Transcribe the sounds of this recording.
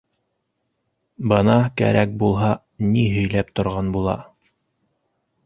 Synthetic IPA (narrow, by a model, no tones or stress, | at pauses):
bɤnɑkæ̰ɾʔæk̚bulˠɦɑ | niɦɵ̆jlæpt̪ŏɾʁɑnbulˠɑ̰